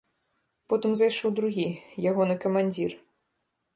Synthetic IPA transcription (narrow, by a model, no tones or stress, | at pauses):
pɔt̪ɨmzajʂɔwd̪ɾuɣʲijaɣɔnɨkɐmanʲd͡zʲir